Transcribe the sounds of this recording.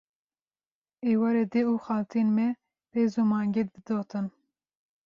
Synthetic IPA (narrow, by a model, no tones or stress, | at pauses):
eːwɑɾed̪euːxɑːlt̪ʰinmɛ | b̥eːzumɑːŋɡed̪̚bɨd̪oːt̪ʰɨn